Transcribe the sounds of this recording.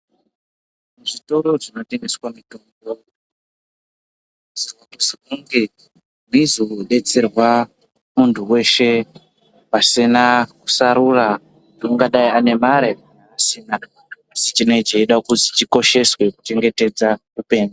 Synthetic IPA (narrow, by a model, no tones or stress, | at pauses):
muʐito̞ɾo̞ʐino̞te̞ŋɡeswamitom | o | ziwakusikuŋɡe | mizoɗe̞t͡serwa | muntʰuwe̞ʃe̞ | pasinaku̥saɾura | douŋɡaɗaiane̞maɾenaːsinaː | si̥t͡ʃino̞it͡ʃeiɗakuzit͡ʃiko̞ʃe̞swe̞ku̥t͡ʃe̞ŋɡe̞te̞d͡zarupe̞ːno